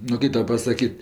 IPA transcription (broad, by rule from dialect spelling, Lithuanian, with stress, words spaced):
nʊ ˈkɐɪ ˈtɐʊ pɐsɐˈkʲiːtʲ